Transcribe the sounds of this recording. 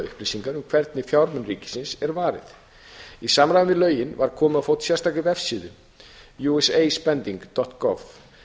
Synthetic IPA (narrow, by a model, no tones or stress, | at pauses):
ʏ̰hplɪsiŋkaɾʏmkʰv̥ɛɾt̪nɪfjawɾmʏnriːcɪ̥sɪnsɛɾvaːɾɪ̰ð | isamɾajðnvɪðlœːɥjɪnvaɾkʰɔːmʏafoːwt̪sjɛɾ̥st̪akɪvɛfsiːðʏ | juɛseːjspɛnt̪iŋkt̪ɔht̪ɡɔv